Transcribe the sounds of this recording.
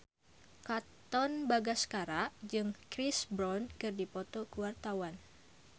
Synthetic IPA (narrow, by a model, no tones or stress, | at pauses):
kat̪ɔnbaɡaskaɾaʔd͡ʒɨŋkɾisbɾɔnkɨrdipɔt̪ɔkuwart̪awan